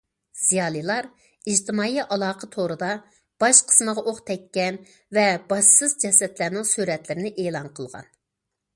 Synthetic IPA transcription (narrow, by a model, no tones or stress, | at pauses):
z̥ijɑːlˠilˠɑɾ | id͡ʒt̪ʰɪmɑːiʔɑlˠɑːqʰət̪ʰoɾɨd̪ɑ | b̥ɑʃqʰə̥sməʁɑʔoχt̪ʰɛkʲːɛn | vɛbɑʃsɨzd͡ʒɛsɛt̪læɾnɪŋsyɾɛt̪lɪɾɪnɪʔeːlˠɑnqʰəlˠʁɑ̰n